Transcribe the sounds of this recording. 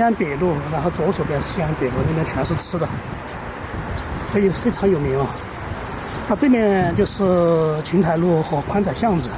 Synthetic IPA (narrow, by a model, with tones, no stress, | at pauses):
a˧˥npe˨˩lu˥˩ɻa˧˥nxo˥˩ʊt͡swɔ˧˥˩ʂo˨˧˥pjɛ˥˩nʂɻ̩˥˧ɕi˥na˧˥npe˨˩lu˥˩ne˥˧˩mjɛ˥˩t͡ɕʰɛ˧˥nʂ̬ɻ̩˥˩ʈ͡ʂʰɻ̩˥d̪ə˨ | fe˥ɪfe˥ʈ͡ʂʰɑ˧˥ŋjo˨˩ʊmi˧˥ŋɐ˧ | t̪ʰa˥t̪we˥˩ɪpjɛ˥˩nt͡ɕjo˥˧ʊʂɻ̩˥˩t͡ɕʰi˧˥ŋt̪ʰa˨˧ɪlu˥˩xwɔ˧˥˩kʰwa˥nt͡sa˨˩ɪɕjɑ˥˩ŋd͡zɹ̩˨˩